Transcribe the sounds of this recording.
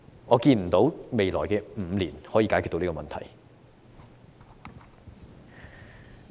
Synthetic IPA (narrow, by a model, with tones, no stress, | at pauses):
ŋɔː˨˧kiː˧nm̩˨˩t̪o˨˥wme˨jlɔː˨˩jkɛː˧m̩˨˧liː˨˩nhɔː˨˥jiː˧kaː˨˥kʰy˨t̪o˧niː˥ɔ˧mɐ˨nt̪ʰɐ̰˨˩j